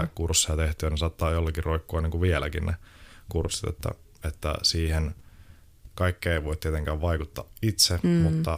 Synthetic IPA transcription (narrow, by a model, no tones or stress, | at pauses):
kursːiɑt̪eht̪yːnesɑt̪ːɑːjolːɑkiroikːuɑniːŋkuʋielæ̰kinnḛkursːi̥t̪ḛt̪ːæ̰ | et̪ːæ̰siːhen | kɑikːeeiʋoit̪t̪iet̪eŋkæːʋʋɑikut̪ːɑ̰it̪semut̪ːɑ